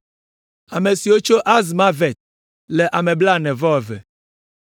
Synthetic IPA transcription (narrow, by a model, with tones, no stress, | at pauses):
a˨me˨si˨wo˦t͡ʃo˦ʔa˦z̬mã˦ve˨t̪̚ | lɛ˨ʔa˨mẽ˨bla˦nɛ̃˨vɔ˦wɛ˨vɛ̰˨